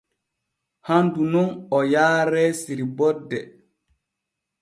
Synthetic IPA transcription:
handunɔnɔjaːɾɛsiɾibɔdːɛ

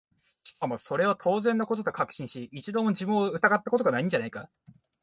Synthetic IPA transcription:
amaso̞ɾe̞β̞at̪ʰo̞ːzẽ̞nːako̞t̪̬o̞t̪o̞kakɯ̟̥ɕĩɰ̃ɕiːt͡ɕid̪omod͡ʑimɯ̃ɯ̟t̪aɡat̪ːako̞t̪̬oɡanaĩɲ̟d͡ʑanaika

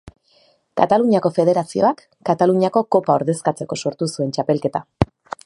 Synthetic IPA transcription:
kat̪aluɲako̞fe̞ð̞e̞ɾasio̞̰akːat̪aluɲako̞ko̞paoɾðe̞skat͡se̞ko̞soɾt̪usue̞nt͡ʃape̞lke̞t̪a

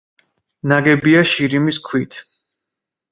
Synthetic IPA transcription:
naɡɛbiaʃiɾimiskʰwit̪ʰ

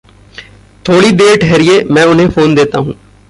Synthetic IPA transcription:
t̪ʰoːɽiːd̪eːɾʈʰɛːɾɪjeːmɛ̃ːʊnɦẽːpʰoːnd̪eːt̪a̰ːɦũː

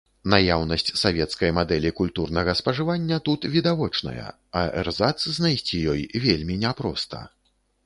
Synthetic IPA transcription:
najawnɐsʲt͡sʲsavʲɛt̪skɐjmad̪ɛlʲikulʲt̪urnɐɣɐspɐʐɨvanʲːɐt̪ut̪vʲid̪avɔt͡ʂnɐ̰jɐ̰ | ɐɛrzat̪sznajsʲt͡sʲijɔjvʲelʲmʲinʲɛpɾɔ̰st̪ɐ̰

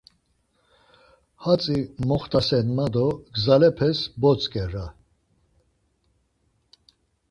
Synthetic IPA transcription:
hat͡sʼimɔχt̪ʰʼasɛnmad̪ɔɡzalɛpʰɛsbɔt͡sʼkʼɛra

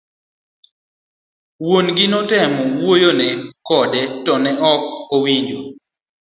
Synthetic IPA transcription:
wonɡɪnɔtɛmɔwojonɛkɔdɛtɔnɛʔɔk̚owiɲd͡ʒo

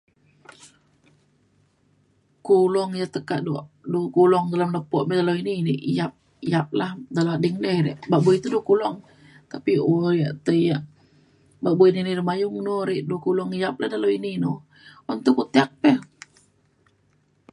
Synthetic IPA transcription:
kulɔŋjat̪əkaʔduʔ | dukulɔŋdalamləpɔʔmɛdaloinineʔijap̚ | ijap̚lahdalaadiŋlɛhɾɛ̰ʔbaʔbuit̪udukulɔŋ | t̪apioɾjaʔt̪əjaʔ | baʔbuininirəmajʊŋnoɾɛʔdukulɔŋijap̚lahdalowinino | ɔnt̪ukut̪iak̚pɛh

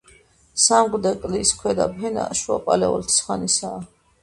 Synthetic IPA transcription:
samɡɾd̪ɛkʼliskʰwɛd̪a̰pʰɛna̰ʃuapʼalɛɔ̰lt̪ʰi̥sχanisaː

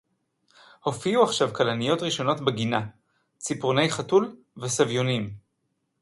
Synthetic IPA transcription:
ho̞fiuaχʃavkalanijo̞tʁiʃo̞no̞tbeɡina | t͡sipʁone̞jχatul | vesavjonim

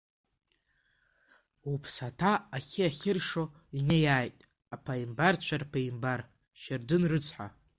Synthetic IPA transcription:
upʰsatʰaaχʲɪaχʲɪrʂo̞ | inejaːjtʼ | apʰaimbart͡ɕʷʰarpʰaimbar | ʃɪrdɨnrɨt͡sʰħʷa̰

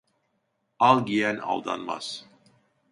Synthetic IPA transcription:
ɑlˠɡijænɑ̰lˠd̪ɑ̰nmɑ̰s

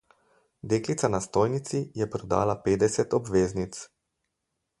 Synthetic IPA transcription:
d̪eːklit̪sanast̪oːjnit̪sijɛpɾɔd̪aːlapeːd̪ɛsɛt̪ɔbʋeːznit̪s

